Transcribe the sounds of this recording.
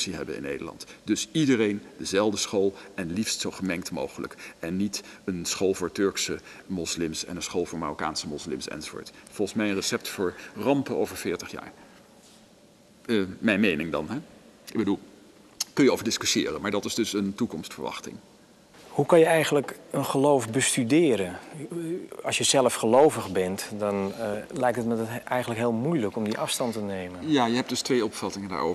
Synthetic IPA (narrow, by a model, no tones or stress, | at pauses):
siɦɛ̰bə̰nɪ̰nːḛjdə̰lɑ̰ntd̥ɵsidərejndəzɛlˠdəsχoːlˠɛnlifstsowχəmɛŋktmo̰wχələ̰kɛnːitənsχoːlˠvʊːɹtɵɹksə | mɔslɪmsɛ̰nənsχoːlˠvʊːɹmarɔkaːnsəmɔslɪ̰msɛ̰nzovʊ̰ːɹtfɔlˠχən̩smɛjənrəsɛp̚tfʊːɹrɑmpənowvəɹvɪːɹtəχja̰ːɹ | mɛjnmejnɪŋdɑnɦɛ | ɪɡ̚bədulˠ | kɵnjəowvəɹdɪskysɪːrəmaːɹdɑtɪzdɵsəntukɔmstfəɹʋɑ̰χtɪ̰ŋ | hukɑnjəɛjɣən̩ləkənχəlowfbəstydɪːɾən | ɑ̰lˠsjəzɛləfxəlowvəxbɛntdɔnlɛjk̚tətmədtɛjɣən̩ləkɦɪːlˠmujləkɔmdiʔɑfstɑntənejmənjaːjəɦɛp̚d̥ɵstʋejɔpfɑtɪŋənda̰ːɹʔo̰ːvə